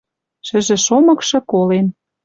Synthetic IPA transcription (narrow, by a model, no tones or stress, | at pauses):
ʃɘ̆ʒĕʃomɤ̆kʃɤ̆kolen